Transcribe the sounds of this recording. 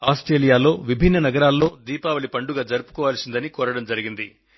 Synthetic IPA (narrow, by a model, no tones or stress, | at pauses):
aːsʈɾe̞ːlijaːlo̞ːʋibʱinːɐnɐɡɐɾaːlːo̞ːd̪iːpaːʋɐɭipɐɳɖuɡaːd͡ʒɐɾupu̥kɔːʋaːlsind̪ɐnikɔːɾɐɽɐmd͡ʒɐɾiɡind̪i